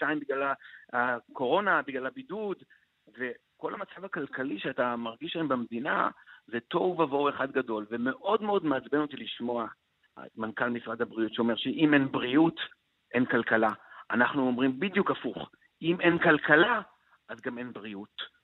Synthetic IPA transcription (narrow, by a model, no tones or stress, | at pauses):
ʃajmbiɡlalaako̞ʁo̞nabiɡlalhabidud | ve̞ | ko̞lhamat͡savakalkaliʃeatamaʁɡiʃlaembemd̪ina̰zeto̞vvavo̞eχad̪ɡado̞lveme̞ʔo̞dmeo̞d̪meat͡sbe̞not̪iliʃmo̞a̰ | mankalmisʁad̪habʁiutʃeo̞me̞ʁʃeʔime̞nbʁiut | ʔe̞nkalkalaanaχnuomʁimbid̪jukafuχ | ime̞nkalkala | ʔazɡame̞nbʁiut